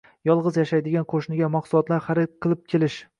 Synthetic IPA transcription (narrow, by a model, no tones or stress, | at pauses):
jɒlˠʁɨzjaʃajd̪ɪɡʲanqʰoʃnɪɡʲamaqsʊlˠɒt̪laɾχaɾɪqʰɨlˠɪp̚kʲʰe̞lɪʃ